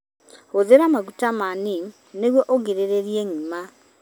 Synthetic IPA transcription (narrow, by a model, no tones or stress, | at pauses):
hoðeɾamaɣutamani | neɣwɔʔoɡeɾeɾeɾieŋima